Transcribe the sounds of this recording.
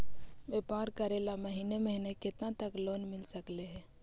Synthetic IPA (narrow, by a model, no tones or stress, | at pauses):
ʋeːpaːɾkɐɾeːlamɐɦiːneməɦnekɪt̪nãt̪əkloːnmɪlsəkleɦɛː